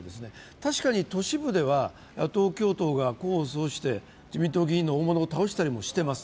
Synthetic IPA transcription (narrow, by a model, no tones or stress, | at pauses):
d̪e̞sɨne̞ | t̪aɕi̥kaɲ̟it̪o̞ɕibɯ̟d̪e̞βa | jat̪o̞ːkʲo̞ːt̪o̞ːɡako̞ːsoːɕi̥t̪e̞ | d͡ʑimʲĩnt̪o̞ɡʲiːnːo̞oːmo̞no̞ːt̪ao̞ɕi̥t̪aɾʲimo̞ɕi̥t̪e̞masɨ̥